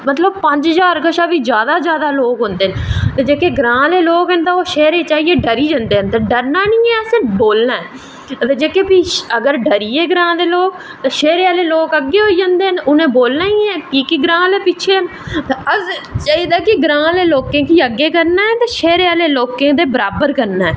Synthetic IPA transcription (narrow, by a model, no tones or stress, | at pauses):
mət̪ləb̚pəɲd͡ʒɦəzaːɾkəʃaːʋiːd͡ʒjaːd̪aːzjaːd̪aːloːkɦõnd̪eːnt̪eːd͡ʒeːkeːɡɾãːleːloːkɛnt̪ãːoːʃɛːɾeːt͡ʃaːieːɖəɾiːd͡ʒãːnd̪eːɦənt̪aːɖəɾnaːnĩːɛːəsẽboːlnaːɛː | t̪eːd͡ʒeːkeːpiːəɡəɾɖəɾiːeːɡɾãːd̪eːloːk̚ | t̪ãːʃɛːɾeːaːleːloːkəɡːeːɦoːiːd͡ʒãːnd̪eːɦənʊnẽːboːlnaːiːɛːkiːkiɡɾãːleːpɪt͡ʃʰeːn | t̪eəzt͡ʃaːiːd̪aːkɪɡɾãːleːloːkẽːkiːəɡːeːkəɾnaːɛːt̪aːʃɛːɾeːaːleːloːkẽːd̪eːbəɾaːbəɾkəɾnaːɛː